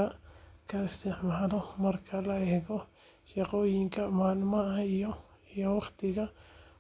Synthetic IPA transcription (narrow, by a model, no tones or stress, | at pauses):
ɐkʰɐɪst̪ɪħmaːðɔmɐrkʰɐlɐɛɣɔ | ʃɑqɔːjɪŋkʰɐmaːnɪmɐɐijɔ | ijɔwɑχt̪ʰɪɣɐ